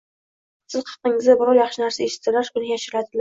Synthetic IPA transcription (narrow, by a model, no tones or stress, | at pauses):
sɪzqʰɑ̥qːɪŋɪzd̪abɪɾɒɾjɑχʃɪnaɾsaeʃɪ̥t̪ːɪlaʃʊnɪjaʃɪɾɪlat̪ʰɪl